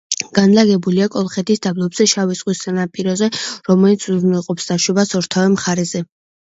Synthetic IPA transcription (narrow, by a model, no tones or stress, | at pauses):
ɡ̥anlaɡɛbuliakʼɔlˠχɛt̪ʰisd̪ablˠɔbz̥ɛʃavisʼqʼwisanapʼiɾɔzɛɾɔmɛlit̪sʰuznɛlˠqʼɔpsd̪aʃɛbasɔɾt̪ʰavɛmχaɾɛzɛ